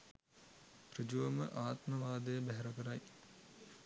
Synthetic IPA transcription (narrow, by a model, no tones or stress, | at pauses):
prɨd͡ʒuʋɐməʔaːt̪məʋaːd̪əjəbæɦɛɾɐkəɾaj